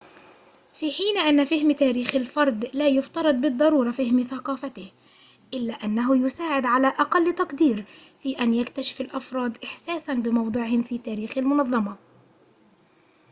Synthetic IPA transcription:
fiːħiːnʔanːafahmt̪aːɾiːxalfɑɾˤd̪ˤlaːjʊft̪ɑɾˤɑd̪̚ˤbɨd̪ˤːɑɾuːɾˤɑfɪhmɪθaqɑːfat̪ɪh | ʔɪlːaːʔanːaɦʊjʊsaːʕɪd̪ʕalaːʔɑqɑlːt̪ɑqd̪iːɾ | fiːʔanjakt̪aʃɪ̥falʔɑfɾˤɑːd̪ˤʔɪħsaːsanbɪmɑwd̪ˤuːʕhɪmfiːt̪aːɾiːxalmʊnɑðˤːɑmɑ

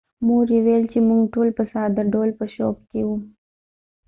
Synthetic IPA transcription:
muɾewelt͡ʃemuŋɡʈolpəsɑd̪əɖolpəʃop̚kewu

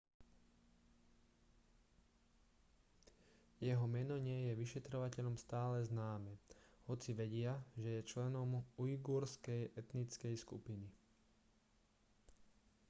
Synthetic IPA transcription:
jɛɦɔmɛnɔɲɪɛjɛʋiʃɛt̪ɾɔʋacɛʎɔmst̪aːlɛznaːmɛhɔt͡siʋɛɟɪaʒɛjɛt͡ʃlɛnɔmujɡuːɾskɛjɛt̪nit͡skɛjskṵpini

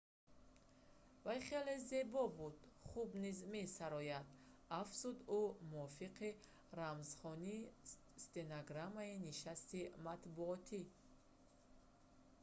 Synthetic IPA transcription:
vajχeleze̞bɔbud̪̥χubnizmesaɾɔjad̪ | afzud̪umuɔfiqʰi | ɾamzχɔni | st̪enaɡɾamːainiʃast̪imat̪buɔt̪ʰi

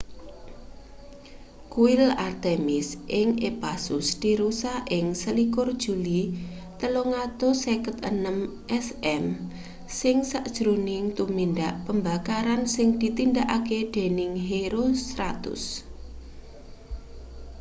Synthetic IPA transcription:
kuɪlart̪emɪsʔɪŋepasʊ̰sd̪̥i̤ɾusaʔɪŋsəlikʊrd̥ʒ̥ṳli | t̪əloŋat̪osekət̪ə̰nəm | ʔɛsɛm | sɪŋsaʔd̥ʒ̥ɾunɪŋt̪umindaʔpəmbakaɾansɪŋd̪̥i̤t̪indaʔaked̥e̤nɪŋɦeɾosɾat̪ʊ̰s

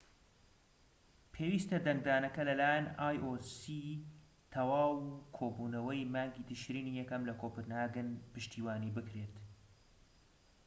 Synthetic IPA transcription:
pʰeːwist̪ɐd̪ɐŋɡ̚d̪aːnɐkɐlɐlaːjɐnaːjʔosi | t̪ʰɐwaːwukʰoːbuːnɐwɐjmaːŋɡid̪ɨʃɾiːnijɐkɐmlɐkʰopɨɾnaːɡɨnpɨʃt̪ʰiːwaːnibɨkɾe̞t̪

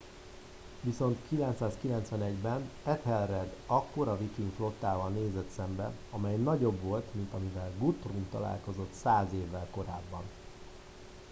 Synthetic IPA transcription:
viso̞nt̪kilɛnt̪saːskilɛnt̪sʋɛnɛɟbɛnɛt̪hɛlrɛd̪ɒkːo̞ɾɒvikiŋɡflo̞t̪ːaːvɒlneːzɛt̪sɛmbɛɒmɛjnɒɟo̞bvo̞lt̪mint̪ɒmivɛlɡut̪runt̪ɒ̰la̰ːlko̞zo̞t̪saːzeːvːɛlko̞ɾaːbːɒn

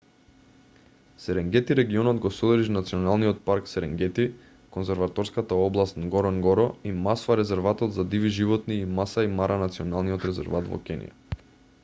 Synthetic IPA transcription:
sɛɾɛŋɡɛt̪iɾɛɡiɔnɔd̪ɡɔsɔd̪ɾʒinat̪siɔnalˠniɔt̪̚paɾksɛɾɛŋɡɛt̪i | kɔnsɛɾvat̪ɔɾskat̪aɔblˠast̪nɡɔɾɔŋɡɔɾɔimasvaɾɛzɛɾvat̪ɔd̪zad̪iviʒivɔt̪niːmasaimaɾanat̪siɔnalˠniɔt̪ɾɛzɛɾvat̪vɔ̰kɛnḭja̰

